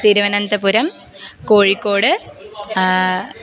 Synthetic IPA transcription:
t̪iːɾuʋɐnɐnd̪ɐpuɾɐm | koːɻikːo̞ːɽɨ

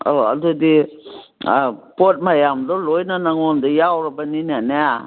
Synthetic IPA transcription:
ɔa̰d̪ud̪i | pot̚majamd̪ɔlojnanaŋɔnd̪ɔjawɾɔbaninanɛa

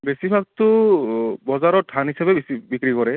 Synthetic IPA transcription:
besibʱak̚tʊ | bɔzaɹɔtʰanɦisabɛbsibikɹikɔɹɛ

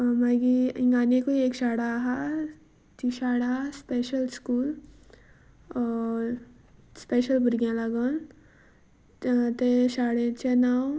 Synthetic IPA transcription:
maɡiĩŋɡaːnekoieːkʃaːɽaɦa | t̪iʃaːɽaspeːʃəlskuːl | speːʃəlbʊɾɡjãləɡən | t̪eʃaːɽet͡ʃenaːw

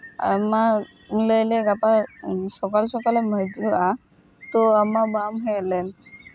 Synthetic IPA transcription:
a̰ma | lojleɡapaʃɔkalʃɔkaleməjd͡ʒua | t̪oamabamɦɔjelen

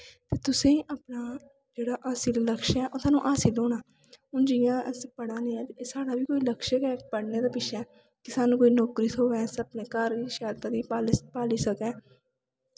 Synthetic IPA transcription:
t̪eːt̪ʊsẽːʔaːpnaː | d͡ʒeːɽaːʔaːsiːlləkʃɛːʔosaːnũːʔaːsiːloːnaː | ʊnd͡ʒɪjãːspəɽãːnẽːɛ̃ːt̪ːsaːɽaːbiːkoːiːləkʃəkɛːpəɽneːd̪aːpɪʃɛː | kɪsaːnũːkoːiːnɔːkɾiːt̪ʰoːʋɛ̃ːsəpneːkəɾiːʃaːlt̪ãːd̪iːpaːpaːliːsəkɛ̃ː

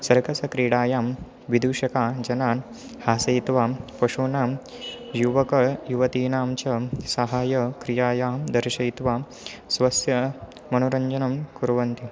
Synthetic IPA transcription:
sɐɾkɐsɐkɾiːɽaːjaːm | ʋid̪uːɕɐkaːd͡ʒɐnaːn | haːsɐjt̪ʋaːpɐʂuːnaːm | juʋɐkɐɭjuʋɐt̪iːnaːmt͡ʃɐsɐɦaːjɐkɾijaːjaːmd̪ɐɾʃɐjt̪ʋaː | sʋɐsjɐ | mɐnuɾɐɲd͡ʒɐnɐmkuɾʋɐnt̪i

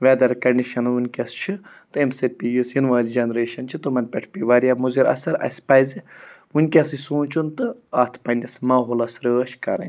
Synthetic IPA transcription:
ʋɛːd̪ɐɾkɐɳɖiʃɐnunʲkʲɐst͡ʃʰi | t̪ɨemsepijusjinʋaːlʲd͡ʒɐnɾeːʃɐnt͡ʃʰit̪ɨmɐnpʲeʈʰpiʋaːɾjaːmuziɾɐ̰sɐɾɐ̰sʲpɐːjziʋunʲkʲɐsisũːnt͡ʃʰunt̪ɨaːt̪ʰpɐnʲɐsmaːɦoːlɐsɾəːʃkɐɾɐ̰nʲ

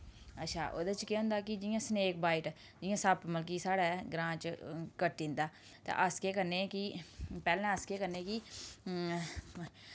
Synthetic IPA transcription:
ətːʃʰa̰ːʔo̰ːd̪ət͡ʃkeɦʊ̃nd̪aːkɪd͡ʒɪjãːsneːk̚baːɪʈ | d͡ʒɪjãːsəbməlkiːsaːɽaːɡɾãːt͡ʃkəʈːɪ̃ːnd̪aː | t̪ã̰ːʔəskeːkəɾneːkɪpɛːlɛ̃ːəskeːkəɾneːkɪ

